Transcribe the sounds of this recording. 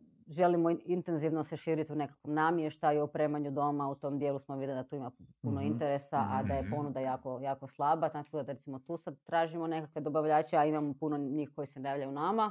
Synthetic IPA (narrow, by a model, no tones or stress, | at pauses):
ʒe̞limoint̪e̞nziʋnoseʃiːɾit̪iune̞kakʋomnamjeʃt̪aiupɾe̞ːmaɲud̪o̞maut̪o̞md̪jelusmoʋid̪lid̪at̪uːimapuno̞int̪eɾesaʔad̪aje̞po̞nud̪ajaːko̞jaːkoslˠabat̪akod̪ad̪aɾet̪imot̪uːsad̪̚t̪ɾaːʒimo̞ne̞kakʋe̞d̪obaʋʎaːt͡ɕeaimamopunoɲiːxko̞jisenajaːʋʎʲajunama